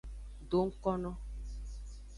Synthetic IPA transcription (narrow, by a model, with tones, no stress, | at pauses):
do˨˦ŋ̩˦kɔ˦nɔ˦